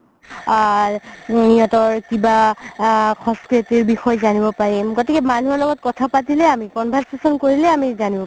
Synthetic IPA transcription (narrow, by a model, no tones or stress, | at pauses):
niɦɔtɔɹkiba | xɔ̃skɹitiɹbixɔjzanibɔpaɹimɡotikɛmanuɦɔɹlɔɡɔt̚kɔtʰapatilɛamikɔnbʱasasɔnkoɹilɛamizanibɔp